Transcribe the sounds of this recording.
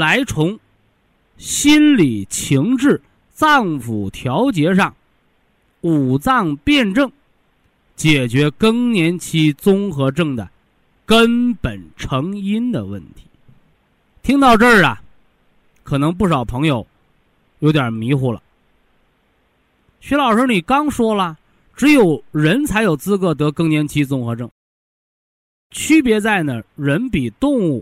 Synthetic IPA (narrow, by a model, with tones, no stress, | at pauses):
la˧˥ɪt͡sʰʊ˧˥ŋ | ɕi˥nli˨˩t͡ɕʰi˧˥ŋʈ͡ʂɻ̩˥˩ | t͡sɑ˥˩ŋfu˨˩t̪ʰjɑ˧˥ʊt͡ɕjɛ˧˥ʂɑ˥˩ŋ | u˨˩t͡sɑ˥˩ŋpjɛ˥˧nʈ͡ʂɤ˥˩ŋ | t͡ɕjɛ˨˩t͡ɕɥɛ˧˥kɤ˥ŋnjɛ˧˥nt͡ɕʰi˥t͡sʊ˥ŋxɤ˧˥ʈ͡ʂɤ˥˩ŋd̪ə̰˨˩ | kə˥npə˨˩nʈ͡ʂʰɤ˧˥ŋi˥nd̪ə˨wə̰˥˩nt̪ʰi̥˧˥ | t̪ʰi˥ŋt̪ɑ˥˧ʊʈ͡ʂə˥˩ɐ̰˩ | kʰɤ˨˩nɤ˧˥ŋp̬u˥˩ʂ̬ɑ˨˩ʊpʰɤ˧˥ŋjo˧ʊ | jo˧˥t̪jɐ˨˩mi˧˥xu˥˩lə̰˩ | ɕɛ˧˥lɑ˨˩ʊʂ̩˧˥ni˨˩kɑ˥ŋʂwɔ˥lə˨ | ʈ͡ʂɻ̩˧˥jo˨˩ʊɻə˧˥nt͡sʰa˧˥ɪjo˨˩ʊt͡sɹ̩˥kɤ˧˥t̪̬ɤ˧˥kɤ˥ŋnjɛ˧˥nt͡ɕʰi˥t͡sʊ˥ŋxɤ˧˥ʈ͡ʂɤ˥˩ŋ | t͡ɕʰy˥pjɛ˧˥t͡sa˥˩ɪnə˩ɻə˧˥npi˨˩t̪ʊ˥˧ŋu˥˩